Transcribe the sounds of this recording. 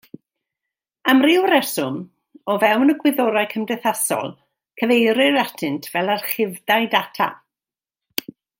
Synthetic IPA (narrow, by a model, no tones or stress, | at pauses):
amrɪwɾɛsʊm | ɔvɛwnəɡwɪðɔɾajkʰəmdɛθasɔ̰lˠ | kʰəvejɾɪɾatʰɨntʰv̥ɛlˠarχɪvdajdatʰa̰